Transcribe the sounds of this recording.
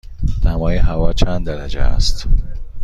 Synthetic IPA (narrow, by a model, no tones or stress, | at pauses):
næmɒːjeɦævɒːt͡ʃʰænd̪d̪æɾæd͡ʒḛæ̰st̪